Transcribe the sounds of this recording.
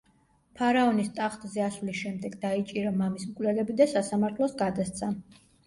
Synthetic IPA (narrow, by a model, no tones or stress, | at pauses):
pʰaɾaɔnist̪ʼaχt̪ʼzɛasvlisʃɛmd̪ɛɡd̪ait͡ʃʼiɾamamismkʼwlɛlɛbid̪asasamaɾt̪ʰlˠɔsɡad̪ast̪sʰa